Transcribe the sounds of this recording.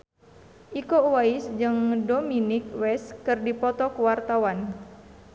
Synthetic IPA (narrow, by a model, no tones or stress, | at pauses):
ʔikowaisd͡ʒɨŋdominɪk̚wɛskɨrdipɔt̪ɔkuwart̪awan